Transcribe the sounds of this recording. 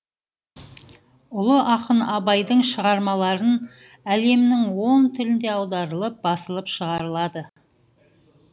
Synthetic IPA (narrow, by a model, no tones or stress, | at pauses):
ʊlˠəʔɑqənɑbɑjd̪əɴʃəʁɑɾmɑlˠɑɾən | æle̞mnɪŋwo̞nt̪ʰɪlɪnd̪e̞ɑwd̪ɑɾəlˠəp̚bɑsəlˠəpʃəʁɑɾəlˠɑd̪ə